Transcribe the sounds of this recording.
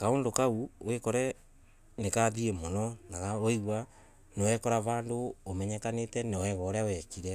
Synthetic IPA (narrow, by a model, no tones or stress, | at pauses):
kaoːndokauwekɔɾɛ | nekaðiemɔnɔnaɣaoiɣwa | newɛkɔɾaβaːndoːmɛɲɛkanetɛnɔwɛɣɔɾɛawɛkiɾɛ